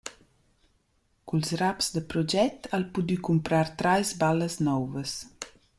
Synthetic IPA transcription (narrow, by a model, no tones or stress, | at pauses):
kulsrapsd̪əpɾɔd͡ʒɛt̪alpud̪ykumpɾaɾt̪ɾajsbaləsnɔwvəs